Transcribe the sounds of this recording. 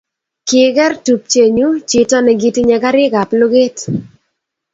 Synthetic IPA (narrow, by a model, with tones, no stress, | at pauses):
kɪ˨ɡɛ˦rtu˨p̚t͡ʃe˨ɲu˦t͡ʃi˨tɔ˦nɛ˨ɡi˨ti˦ɲɛ˨ɡa˦ɾɪ˦ɡa˨plʊ˦ɡe˦t